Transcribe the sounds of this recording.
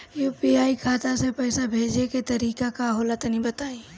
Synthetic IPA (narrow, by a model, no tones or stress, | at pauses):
juːpiaːikʰaːt̪asepɛɪsabʱeːd͡ʒeket̪ɐɾiːkakaɦolət̪nĩbɐt̪aːi